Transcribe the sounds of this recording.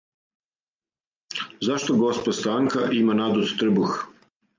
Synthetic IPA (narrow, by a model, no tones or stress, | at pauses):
zaʃt̪oɡospost̪aŋkaʔimanad̪ut̪t̪r̩bux